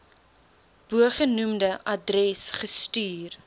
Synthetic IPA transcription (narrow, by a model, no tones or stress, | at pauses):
b̥uəχənumdəʔɐdrɛsχəstyːr